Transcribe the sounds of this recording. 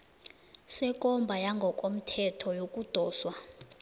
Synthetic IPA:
sɛkʼɔmbʱajaŋɡʱɔkʼom̩tʰɛtʰɔjokʼud̥ʱɔːswa

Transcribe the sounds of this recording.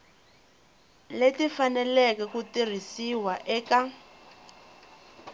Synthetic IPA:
letifanɛlɛkɛkutir̤isiwaʔɛka

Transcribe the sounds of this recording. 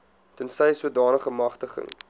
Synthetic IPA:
tunsɛjsuədɑːnəχəmɐχtəχə̰ŋ

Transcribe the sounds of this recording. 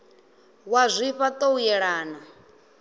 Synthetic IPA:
wazʷiɸat̪ʼoujɛɺaːna

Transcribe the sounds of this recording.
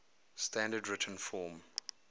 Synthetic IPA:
stæ̃ndədɹɪtʰə̃nfɔːm

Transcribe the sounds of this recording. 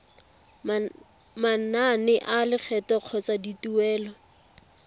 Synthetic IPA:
mananɪʔalɪk͡xʰɛtɔq͡χʰɔt͡sadituɛːlɔ

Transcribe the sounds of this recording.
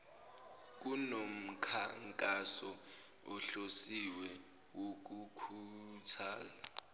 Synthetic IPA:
k̬unom̩kʰaŋkʼasɔ | ɔɬosiwɛ | wok̬ukʰutʰaːza

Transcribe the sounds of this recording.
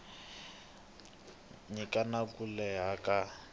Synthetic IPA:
ɲikʼanakulɛɦaka

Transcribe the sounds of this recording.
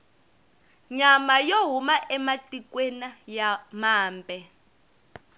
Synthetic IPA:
ɲamajoɦumaʔɛmatʼikwenajamaːmpʼɛ

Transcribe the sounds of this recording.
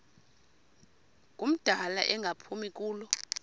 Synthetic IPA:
k̬ʼum̩d̥ʱala̰ʔɛŋɡʱapʰumik̬ʼuːlɔ

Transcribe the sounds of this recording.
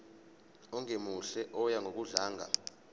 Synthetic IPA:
ɔŋemuɬɛʔɔjaŋɡʱok̬uɮaːŋa̰

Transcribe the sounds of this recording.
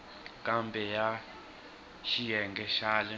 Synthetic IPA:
kʼambɛja | ʃijɛŋɡɛʃaːlɛ

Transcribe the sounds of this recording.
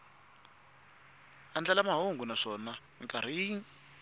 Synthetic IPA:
and͡ɮalamaɦoŋɡunaʂɔna | iŋkʼaɾ̤iŋ

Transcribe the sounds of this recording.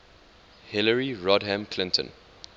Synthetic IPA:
hɪləɹiɹɔdɦæ̃mkʰlɪ̃ntʰə̰̃n

